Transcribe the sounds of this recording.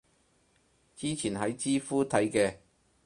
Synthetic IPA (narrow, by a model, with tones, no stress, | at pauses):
t͡siː˥t͡sʰiː˨˩nɦɐ˨˥jt͡siː˥fuː˥t̪ʰɐ˨˥jkɛː˧